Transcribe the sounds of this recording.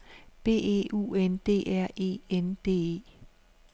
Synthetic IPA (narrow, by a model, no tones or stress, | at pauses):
b̥e̝̰ːḛːʔṵːend̥e̝̰ːʔæɐ̰e̝̰ːend̥e̝̰ːḛː